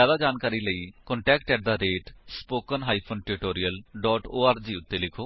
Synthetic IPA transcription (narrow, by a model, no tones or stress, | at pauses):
aːd̪ad͡ʒaːnkaːɾiləiːkɔɳʈɛːkʈɛʈ̚d̪aːɾeːʈspoːkənɦaːipʰoːnʈɪɪʈoːɾijəlɖɔːʈoːaːɾd͡ʒiːʊt̪ːelɪkʰoː